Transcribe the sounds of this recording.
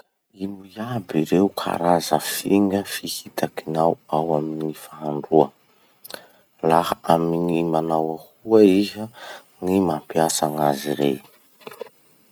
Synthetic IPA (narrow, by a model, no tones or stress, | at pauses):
imujabiɾeukʰa̰ɾazəfiŋɡəfihit̪akinawawaminifaɦaɳɖ͡ʐuə | lahaaminimanawahuəizə | nimampiasaŋaziɾḛj